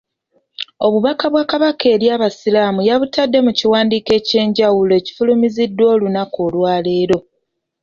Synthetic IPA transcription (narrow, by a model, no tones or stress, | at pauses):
o̞βuβakaβwaːkaβakʰe̞ːɾjaːβasilaːmujaβutadːe̞muciwaːndiːke̞ːce̞ːɲɟawuloe̞ci̥fulumizidːwo̞ːlunakoːlwaːle̞ːɾo̞